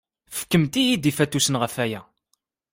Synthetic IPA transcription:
fə̥kːəmt̪ijid̪ifæt̪ːusənʁəfæjæ

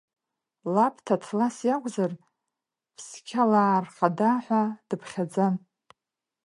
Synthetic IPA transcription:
lapʰtʰatʰlasjakʷʼzar | pʰskʲʰalaːrχadaħʷad̥ɨpʰχʲad͡zan

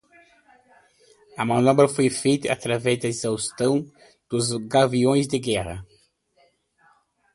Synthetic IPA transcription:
ɐmɐ̃nɔbɾɐfojfejt̪ɐɐt̪ɾavɛzd̪ɐizawst̪ɐ̃w̃ | d̪̥ʊzɡaviõj̃zd̪ɪɡɛʁɐ̰

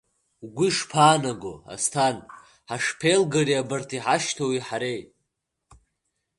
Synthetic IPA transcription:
wɡʷiʂpʰaːnaɡoa̰stʰan | ħaʂpʰejlɡariabɨrtʰiħaʃtʰowiħaɾejt

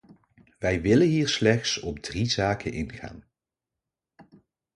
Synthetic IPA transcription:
ʋɛjʋɪlənɦiːɹslɛχtsɔb̚drizaːkənɪnχa̰ːn

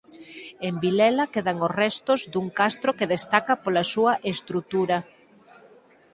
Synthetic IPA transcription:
embilɛlakeðaŋorɛst̪ozd̪uŋkast̪ɾokeðest̪akapolasuɐʔest̪ɾut̪uɾɐ

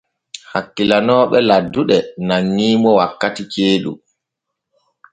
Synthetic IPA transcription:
hakːilanɔːɓɛladːuɗɛnaŋːiːmɔwakːatit͡ʃeːɗṵ

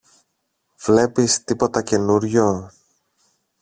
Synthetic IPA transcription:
v̥le̞pist̪ipo̞t̪ɐce̞nuɾʝo̞

